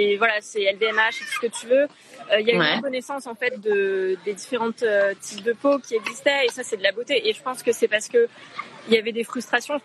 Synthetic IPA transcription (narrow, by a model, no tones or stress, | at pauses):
evwalasɛɛlveɛmaʃet̪u̥sə̥kət̪yvø | øiljayəkɔnesɑ̃sɑ̃fɛt̪̚d̪əd̪ed̪ifeʁɑ̃t̪øt̪ʰip̚d̪əpokʲiɛɡzist̪ɛesasɛd̪əlabot̪eʔeʒəpɑ̃skəsɛpaʁsə̥kəiljavɛd̪efχyst̪χasjɔ̃